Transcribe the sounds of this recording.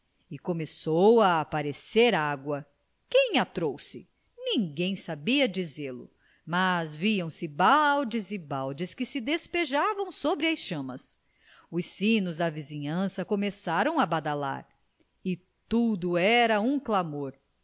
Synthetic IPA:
ɪkomesowaːpaɾeseɾaɡwɐ | kẽj̃at̪ɾowsɪ | nĩɡẽj̃sabiɐd͡ʒizeɾlʊ̰ | mazviɐ̃w̃sɪbawd͡ʒɪzɪbawd͡ʒɪskɪsɪd̪espeʒavɐ̃w̃sobɾɪɐsʃɐ̃mɐs | ʊsĩnʊzd̪ɐvizĩɲɐ̃sɐkomesaɾɐ̃w̃abad̪ala̰ɾ | ɪ | t̪ud̪ʊɛɾɐũklamoɾ

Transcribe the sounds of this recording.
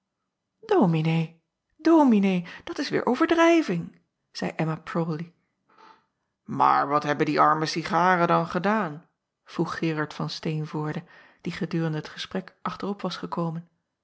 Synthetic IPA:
doːminej | dowminejd̥ɑtɪsʋɪ̰ːɹʔowvəɹdrɛjvɪŋ | z̥ɛjʔɛmaprowli | ma̰ːɹʋɑtɦɛbəndiʔɑɹməsiχaːrədɑnχədaːn | v̥ruχːɪːrɑɹtfɑnstejnvʊːɹdə | d̥iχədyːrəndəɦətχəsprɛkʔɑχtərɔpʋɑsχəkowmən

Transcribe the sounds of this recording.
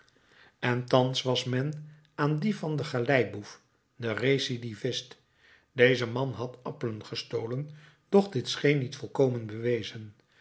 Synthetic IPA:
ɛntɑnsʋɑsmɛn | aːndivɑndəχalɛjbuf | dəresidivɪst | dejzəmɑnɦɑtɑpələnχəstowlən | d̥ɔχdɪtsχejnːitfɔlˠkowmənbəʋejzən

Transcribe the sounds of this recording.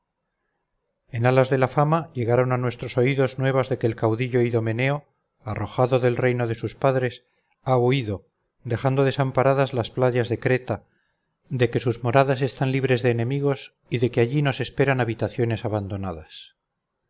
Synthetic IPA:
e̞nalazðe̞lafamaʎe̞ɣaɾo̞nanwe̞st̪ɾo̞so̞iðo̞znwe̞β̞azðe̞keːlkawðiʎo̞iðo̞me̞ne̞o̞ | aro̞xaðo̞ðe̞lre̞jno̞ðe̞suspaðɾe̞s | auiðo̞ | d̪e̞xand̪o̞ð̞e̞sampaɾaðazlasplaʝazðe̞kɾe̞t̪a | d̪e̞ke̞suzmo̞ɾaðas̬e̞st̪anliβ̞ɾe̞zðe̞ːnẽ̞miɣo̞s | iðe̞keaʝino̞se̞spe̞ɾanaβit̪aθjo̞ne̞saβand̪o̞naðas

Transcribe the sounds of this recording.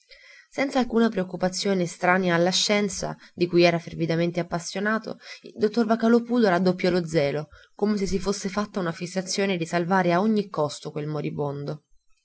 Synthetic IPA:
sɛntsalkuːnapɾeokːupat̪sːjoːnest̪ɾaːnjaːlːaʃːɛnt̪sa̰d̪ikujɛːɾafervid̪ament̪eapːasːjonaːt̪o̰ḭld̪ot̪ːorvakalopuːd̪oɾad̪ːopːjɔlod̪zːɛːlo | komos̬es̬ːifosːefat̪ːaunafisːat̪sːjoːned̪isalvaːɾeaoɲːikːɔst̪okwelmoɾibond̪o

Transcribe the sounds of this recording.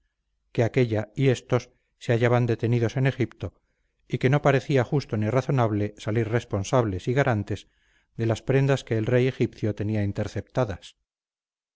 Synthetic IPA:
ke̞ake̞ʎaie̞st̪o̞sː | e̞aʝaβand̪e̞t̪e̞niðo̞se̞ne̞xipt̪o̞ | ike̞no̞paɾe̞θiaχust̪o̞niraθo̞naβle̞salirre̞spo̞nsaβ̞le̞siɣaɾʔant̪e̞z | d̪e̞laspɾe̞nd̪aske̞ːlre̞je̞xipθjo̞t̪e̞niaint̪e̞ɾθe̞p̚t̪aðas

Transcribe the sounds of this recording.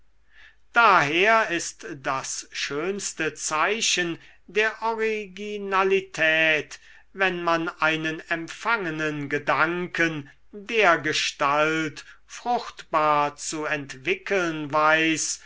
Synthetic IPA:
d̥aːɦeːɐɪstdasʃøːnst̪ət͡saɪɕən | deːɐʔɔʁiɡinalitʰɛːt | vɛnmanʔaɪnənɛmfaŋənənɡədaŋkən | deːɐɡəʃtaltfʁ̥ʊxt̪b̥aːɐt͡suɛntv̥ɪkəlnvaɪs

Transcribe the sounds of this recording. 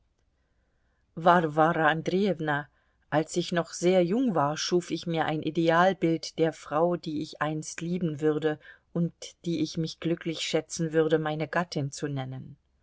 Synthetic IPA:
vaʁvaːʁaandʁiɛvna | ʔalsɪçnɔχz̥eːɐjʊŋvaːɐʃuːfɪçmiːɐʔaɪnʔideaːlbɪltd̥eːɐfʁ̥aʊdiːɪçʔaɪnstliːbm̩vʏʁdəʔʊntd̥iːʔɪçmɪçɡ̥lʏklɪçʃɛt͡sn̩vʏʁdəmaɪnəɡatʰɪnt͡sunɛnən

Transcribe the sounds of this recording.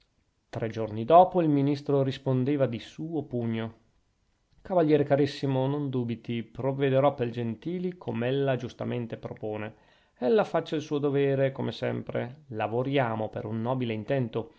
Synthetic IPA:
t̪ɾʔɛd͡ʒornid̪ɔːpoilminist̪ɾoɾispond̪eːvad̪isuːopuɲːo | kavaʎːjɛːɾekaɾisːimonond̪uːbit̪ipɾovːed̪eɾɔpeld͡ʒent̪iːlikʰomɛlːad͡ʒust̪a̰ment̪epɾopoːne | ɛlːafat͡ʃːailsuːod̪oveːɾekomesɛ̰mpɾḛlavoɾjaːmopeɾunːɔːbileint̪ɛnt̪o

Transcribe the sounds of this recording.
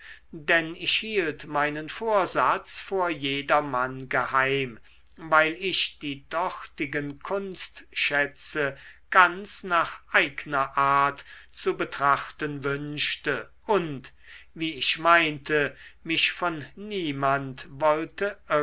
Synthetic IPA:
dɛnɪʃhiːltmaɪnənfoːɐzat͡sfoːɐjeːdɐmanɡəhaɪm | vaɪlɪʃd̥iːdɔʁtɪɡənkʰʊnstʃɛt͡səɡ̥ant͡snaːχʔaɪɡənɐʔaːɐtt͡subətʁ̥aχtənvʏnʃtə | ʔʊnt | viːɪʃmaɪntʰəmɪʃfɔnːiːmantvɔltəʔœ

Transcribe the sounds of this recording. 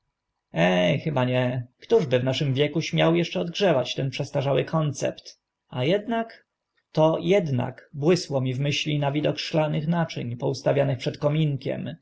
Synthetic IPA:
ɛxɘbaɲɛkt̪uʐbɘvnaʂɘmvʲjɛkuɕmʲjawjɛʂt͡ʂɛɔd̪ɡʐɛvat͡ɕt̪ɛnpʂɛst̪aʐawɘkʰɔnt̪sɛ̰pt̪ | ajɛd̪nak | t̪ɔjɛd̪na̰kbwɘswɔmʲivmɘɕlʲinavʲid̪ɔkʂlanɘxnat͡ʂɘ̰ɲpɔust̪avʲjanɘxpʂɛt̪kɔmʲiŋkʲɛ̰m

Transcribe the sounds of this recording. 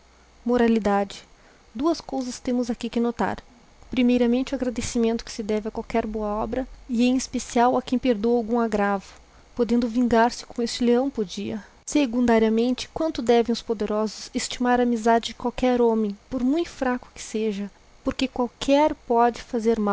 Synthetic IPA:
moɾalid̪ad͡ʒɪ | d̪uɐskowzɐst̪ẽmʊzakikɪnot̪a̰ɾ | pɾimejɾɐmẽnt͡ʃɪʊaɡɾad̪esimẽnt̪ʊ̥kɪ̥sɪd̪ɛvɪɐkwawkɛɾboɐɔbɾɐɪɛ̃j̃espesiawɐkẽj̃peɾd̪oawɡũŋaɡɾavʊ̥ | pod̪ẽnd̪ʊvĩŋɡaɾsɪ̥kõest͡ʃɪleɐ̃w̃poɾd͡ʒiɐ | seɡũnd̪aɾiɐmẽnt͡ʃɪ̥kwɐ̃nt̪ʊd̪ɛvẽj̃ʊspod̪eɾɔzʊzest͡ʃimaɾaːmizad͡ʒɪd͡ʒɪkwawkɛɾõmẽj̃poɾmũj̃t̪ʊ̥fɾakʊ̥kɪ̥seʒɐ | poɾkekwawkʰɛɾpɔd͡ʒɪfazeɾmaw

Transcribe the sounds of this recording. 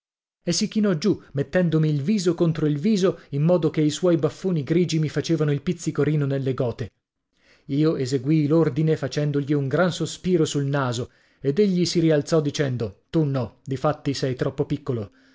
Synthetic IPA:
esːikinɔd͡ʒumet̪ːɛnd̪omiːlviːzokont̪ɾoilviːzoimːɔːd̪okeiswɔjbafːoːniɡɾiːd͡ʒimifat͡ʃeːvanoilpit̪sːikoɾiːnonelːeɡɔːt̪e | iːoezeɡwilord̪inefat͡ʃɛnd̪oʎiuŋɡɾansospiːɾosulnaːzo | ed̪eʎːisiɾialt̪sɔd̪ːit͡ʃɛnd̪ot̪unɔd̪ifat̪ːisɛjt̪ɾɔpːopikːolo

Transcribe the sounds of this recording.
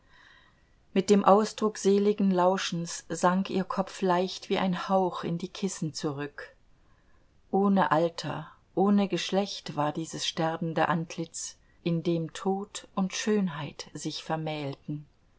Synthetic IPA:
mɪt̚d̥eːmʔaʊsd̥ʁʊkz̥eːlɪɡŋ̩laʊʃn̩sz̥aŋkiːɐkʰɔp͡flaɪçtv̥iːʔaɪnhaʊxɪ̰ndiːkʰɪsn̩t͡suʁʏk | ʔoːnəʔaltʰɐ̰ | ʔoːnəɡəʃlɛçtv̥aːɐdiːzəsʃtɛɐbn̩dəʔantʰlɪt͡s | ʔɪndeːmtʰoːtʊntʃøːnɦaɪtz̥ɪçfɛɐmɛːltn̩

